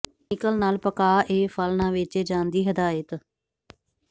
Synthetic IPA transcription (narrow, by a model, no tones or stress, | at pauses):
ɪkəlnaːlpəkaːʔeːpʰəlnãːʋɪt͡ʃed͡ʒãːnd̪iːɦəd̪aːjət̪